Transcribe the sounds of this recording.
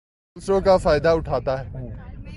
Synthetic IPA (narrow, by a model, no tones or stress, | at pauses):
lsɾõkafaːjd̪aʊʈʰaːt̪aɦɛː